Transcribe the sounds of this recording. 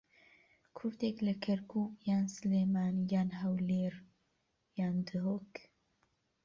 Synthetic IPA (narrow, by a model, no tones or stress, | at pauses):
kʰʊɾd̪ekləkʰɐɾkʰuːkjaːnsɨleːmaːnjaːnɦɐwleɾ | jaːnd̪ɨɦoːk